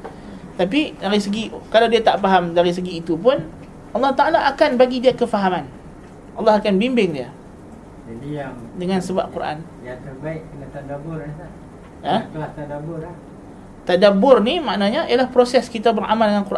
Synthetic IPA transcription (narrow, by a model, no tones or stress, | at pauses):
t̪apidaɾisəɡikalawdiat̪aʔfaɦamdaɾis̬əɡiːt̪upʊn | ɑlːɑht̪aalaʔːkanbaɡidiakəfaɦaman | ʔɑlːɑɦakanbimbɪŋdia | ədiamdəŋansəba̰p̚kuɾʔa̰n | jat̪ərbaɪʔkənat̪adabʊrnaa | at̪at̪adabʊɾ | t̪adabʊrnimaʔnaɲaijalahpɾosɛskit̪abəɾʔa̰maldəŋankurʔa